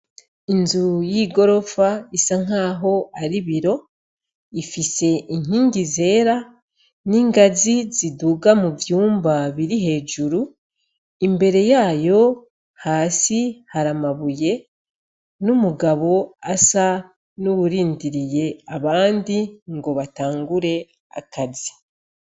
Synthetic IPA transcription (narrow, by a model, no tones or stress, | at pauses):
inzujiɡo̞ɾo̞faisaŋ̥aːɦo̞aɾiβiɾo̞ | ifise̞ʔiŋ̥iːŋɟize̞ːɾa | niːŋɡaziziduɡamuvjuːmbaβiɾiɦe̞ːʒuɾu | imbe̞ɾe̞jaːjo̞ | haːsihaɾamaβuje̞ | numuɡaβo̞asa | nuβuɾiːndiɾije̞aβaːndiŋɡo̞βataːŋɡuɾe̞ | a̰kazi